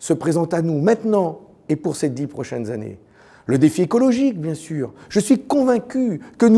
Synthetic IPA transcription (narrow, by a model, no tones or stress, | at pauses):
səpχezɑ̃t̪anumɛ̃t̪nɑ̃ | epuʁsed̪ipχɔʃɛ̰nzanḛ | ləd̪efiekɔlɔʒik̚bjɛ̃syːʁʒ̥əsɥikɔ̃vɛ̃kʲykən